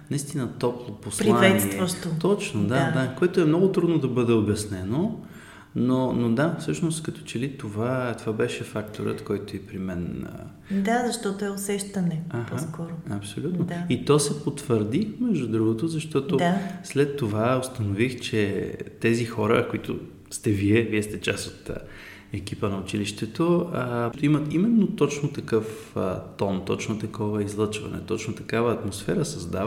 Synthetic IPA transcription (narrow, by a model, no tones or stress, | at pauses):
nɐist̪inət̪ɔplˠopospɾliavɛtnsit̪vəʃt̪ot̪ɔt͡ʃnod̪ad̪akoɛt̪ʊɛmnɔɡʊt̪ɾud̪nod̪ɐbɤd̪ɛobjɐsnɛno | nonod̪afsɤʃnost̪kɐt̪ɔ̥t͡ʃɛlit̪ovat̪ovabɛʃɛfakt̪oɾə̰t̪kɔjt̪oɛpɾimɛnə̰ | d̪azɐʃt̪ɔt̪oɛosɛʃt̪ɐnɛaxpɔaskɔɾʊɐpsolʲut̪nod̪ait̪ɔsɛpot̪vəɾd̪imɛʒd̪ud̪ɾuɡʊt̪ozɐʃt̪ɔt̪od̪aslɛt̪ːovaost̪ɐnovixt͡ʃɛt̪ɛzixɔɾə̰koit̪ʊ̰ | st̪ɛviɛviɛst̪ɛt͡ʃasot̪ | ɛk̟ipənɐʊt͡ʃiliʃt̪ɛt̪oət̪imət̪imɛnːot̪ɔt͡ʃnot̪ɐkɤf | ə̰t̪ɔnt̪ɔt͡ʃnot̪ɐkɔvəizlˠɤt͡ʃvɐ̰nɛ̰t̪ɔt͡ʃnot̪ɐkavəːt̪mosfɛɾəsɐzd̪av